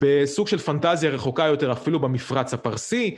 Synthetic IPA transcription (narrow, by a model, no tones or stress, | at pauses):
b̥esuɡʃe̞lfant̪azjaʁeχo̞kajo̞t̪e̞ʁafilubemifʁat͡shapaʁsi